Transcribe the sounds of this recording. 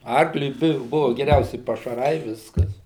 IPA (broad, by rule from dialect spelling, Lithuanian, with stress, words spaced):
ˈɐrklʲʊɪ ˈbʊ ˈbʊʋʊ ɡʲɛˈrʲɛʊsʲɪ pɐʃɐˈrɐɪ ˈʋʲɪskɐs